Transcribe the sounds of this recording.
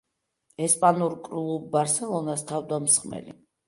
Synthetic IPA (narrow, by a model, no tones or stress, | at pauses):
ɛspʼanuɾkʼɾulˠubaɾsɛlˠɔnast̪ʰavd̪amsχʼmɛ̰lḭ